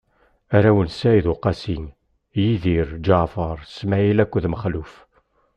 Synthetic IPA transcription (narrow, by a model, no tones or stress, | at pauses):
æɾæwənsæiðʊqɑsin | jiðiɾd͡ʒafəɾˤsmæilækʷːuðməχluf